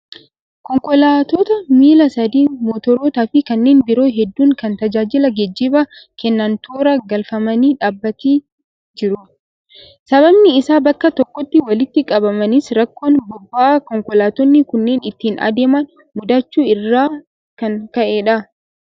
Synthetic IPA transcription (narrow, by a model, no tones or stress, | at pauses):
kɔŋkɔlaːt̪ɔt̪ɐmiːlɐsɐd̪iːmɔt̪ɔɾoːt̪aːfɪkɐnːe̞ːnbɪɾo̞ːɦɛd̪ːuːŋkɐnt̪ɐd͡ʒaːd͡ʒɪlɐɡɛd͡ʒːiːbɐkɛnːɐnt̪oːɾɐɡɐlfɐmɐniːᶑaːbːɐt̪iː | d͡ʒɪɾʊ | sɐβɐbnɪɪsaːbɐkːɐt̪ɔkːɔt̪ːɪwɐlɪt̪ːɪkʼɐbɐmɐnɪsɾɐkːoːnbʊbːaːkɔŋkɔlaːt̪ɔnːɪkʊnːeːnɪt̪ːiːnɐ̰d̪e̞ːmɐn | mʊd̪ɐt͡ʃːuːɪrːaː | kɐnkɐʔeːᶑɐ